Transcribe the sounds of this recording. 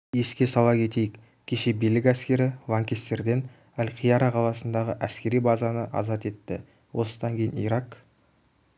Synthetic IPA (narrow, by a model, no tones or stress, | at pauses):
je̞skʲe̞sɑlˠɑkʲʰe̞t̪e̞jɪk | kʲʰe̞ʃe̞bijlɪkʲæskʲe̞ɾɪlˠɑŋkʲest̪e̞ɾd̪e̞n | ælqʰijɑɾɑqʰɑlˠɑsənd̪ɑʁəʔæskʲe̞ɾijbɑzɑnəʔɑ̰zɑt̪e̞t̪ːɪ | wʔo̞səd̪ɑŋkʲʰe̞jɪnḭjɾɑq